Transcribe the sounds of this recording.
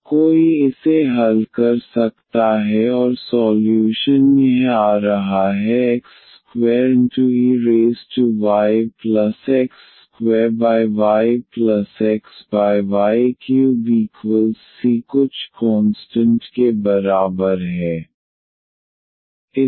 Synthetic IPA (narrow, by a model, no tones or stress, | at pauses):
koːiɪseɦɐlkɐɾsɐk̚t̪aɦɛɔːɾsɔːljuːʃənjɐɦaːɾɐɦaɦɛeks | kwɛːɾɪ̃ɳʈuiɾeːsʈuʋaːɪplɐsɛks | kwɛːɾbaːɪʋaːɪplɐsɛksbaːɪʋaːɪikjuːbiːkwəlzːikʊt͡ʃʰkɔːnsʈə̃ɳʈkebɐɾaːbəɾɦɛː | ɪ